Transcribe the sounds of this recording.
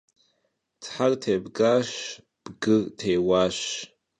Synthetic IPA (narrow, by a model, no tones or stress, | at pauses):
tʰħartʰejbɡaʃ | b̥ɡɨrtʰejwaʃ